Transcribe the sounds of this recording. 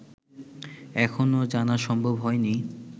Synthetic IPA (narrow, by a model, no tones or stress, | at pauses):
ɛkʰonod͡ʑanaʃɔmbʱobɦɔeni